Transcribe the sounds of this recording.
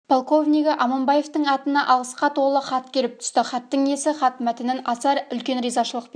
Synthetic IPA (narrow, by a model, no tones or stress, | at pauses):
pʰolˠko̞vnʲiɡʲɪʔɑmombɑje̞ft̪əɴɑt̪ənɑʔɑlˠəsqɑt̪ʰo̞lˠəχɑt̪kʲʰeɾɪp̚t̪ʰʏ̥st̪ɪχɑt̪ːəɴe̞sɪχɑt̪mæt̪ɪnɪnɑsɑɾʏlkʲe̞nɾijzɑʃəlˠəq̚p